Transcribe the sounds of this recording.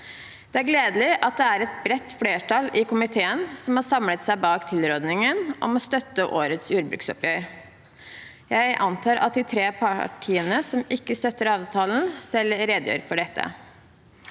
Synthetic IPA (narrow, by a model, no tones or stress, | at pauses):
d̪̥ɛæɾɡleːd̪əlɪʔɑt̪̚d̪ɛæɾɛt̪̚bɾɛt̪ːfleːʈʰɑːlɪkʊmɪt̪ʰeːənsɔmhɑːsɑmlət̪sæɪbɑːkt̪ʰɪlɾoːd̪nɪŋənʔɔ̰mɔst̪œt̪ːəʔoːɾət̪suːɾbɾʉ̰ksɔ̰pjœːɾ | jæɪʔɑnt̪ʰɑːɾʔɑ̰t̪̚d̪iːt̪ʰɾeːpʰɑʈʰiːənəsɔmɪkːəst̪œt̪ːəɾɑːʋt̪ʰɑːln̩sɛlɾeːd̪jø̰ːɾfɔɖɛt̪ʰːə̰